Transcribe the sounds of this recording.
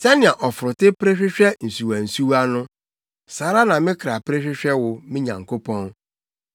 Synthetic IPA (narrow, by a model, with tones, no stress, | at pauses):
tʰɛ˦nɪ̃˨a˨ʔɔ˨fʊ˨ɾʊ˨tɪ˦pɾe˦ɕᶣɪ˦ɕᶣɛ˦n̩˨su˨wa˨n̩˨su˦wa˦nʊ̃˦ | saː˨˦ɾa˦nã˨mɪ̃˦kʰɾa˨pɾe˦ɕᶣɪ˦ɕᶣɛ˦wʊ˨mɪ̃˦ɲã̰˨ŋ˨kʰo˦pʰɔ̃˦n